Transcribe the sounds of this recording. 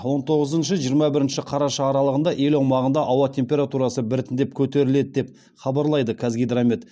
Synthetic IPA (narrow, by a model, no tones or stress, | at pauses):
wo̞nt̪ʰo̞ʁəzənʃəʒijəɾmɑbɪɾɪnʃɪqʰɑɾɑʃɑːɾɑlˠəʁənd̪ɑʔe̞lɑwmɑʁənd̪ɑʔɑwɑt̪ʲʰe̞mpʲe̞ɾat̪uɾɑsəbɪɾɪt̪ɪnd̪e̞p̚kʲʰɵt̪e̞ɾɪle̞d̪ɪd̪e̞p̚ | χɑbɑɾlˠɑjd̪əkʲʰæzɡʲijd̪ɾamʲet̪